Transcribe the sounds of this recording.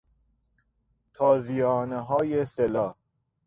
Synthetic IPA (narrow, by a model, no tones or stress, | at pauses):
t̪ʰɒːzijɒːneɦɒːjeselɒː